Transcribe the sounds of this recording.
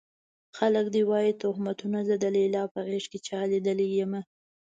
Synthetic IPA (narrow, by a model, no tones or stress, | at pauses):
xaləkd̪iwɑjit̪ʊhmat̪unazad̪əlelɑpəɣeʃket͡ʃɑled̪əlejəma